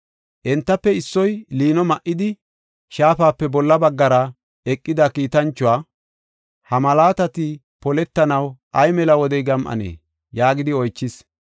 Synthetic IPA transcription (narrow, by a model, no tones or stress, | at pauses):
ʔɛnt̪ːɐpːɛɪsːɔjliːnɔmɐʔɪd̪ɪ | ʃaːfaːpːɛbɔlːɐbɐɡːɐɾɐ | ɛkʼːɪd̪ɐkiːt̪ɐnt͡ʃːʊwaː | hɐmɐlaːt̪ɐt̪ɪ | pɔlɛt̪ːɐnɐwʔɐjmɛlɐwɔd̪ɛjɡɐmʔɐ̰nḛː | jaːɡɪd̪ɪɔjt͡ʃːɪs